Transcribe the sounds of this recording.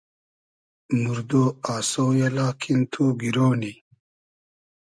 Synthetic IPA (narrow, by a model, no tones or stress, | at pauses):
muɾd̪oaːsojelaːkʰint̪ʰoɡiɾoːni